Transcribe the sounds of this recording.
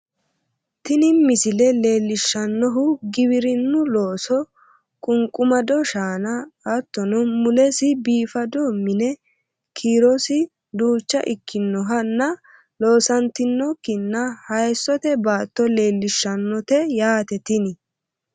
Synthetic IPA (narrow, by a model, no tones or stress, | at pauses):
t̪ɪnɪmɪsɪlɛle̞ːlːɪʃːɐnːɔɦʊɡɪbɪɾɪnːʊlo̞ːsɔ | kʼʊŋkʼːʊmɐd̪ɔʃaːnɐɐt̪ːɔnɔmʊlɛsɪbiːfɐd̪o̞ːmːɪnɛ | kʰiːɾɔsɪ | d̪uːt͡ʃːɐ̰ʔɪkʰːɪnːɔɦɐnːɐ | lo̞ːsɐnt̪ɪnːɔkːɪnːɐhɐjsːɔt̪ɛbaːt̪ːɔle̞ːlːɪʃːɐnːɔt̪ɛjaːt̪ɛt̪ɪnɪ